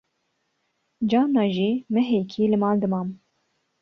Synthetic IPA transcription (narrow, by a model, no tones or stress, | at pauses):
d͡ʒɑːnɑːʒiːmɨɦeːkʰiːlɨmɑːld̪ɨmɑːm